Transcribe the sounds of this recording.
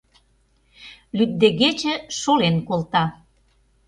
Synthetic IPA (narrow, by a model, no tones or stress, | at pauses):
lyt̪̚d̪eɣet͡ɕə̆ʃolenkolt̪ɑ